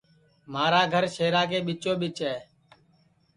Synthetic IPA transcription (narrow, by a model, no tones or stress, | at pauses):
maːɾaːɡʱəɾʃeːɾaːkeːɓɪt͡ʃoːɓɪt͡ʃɦɛː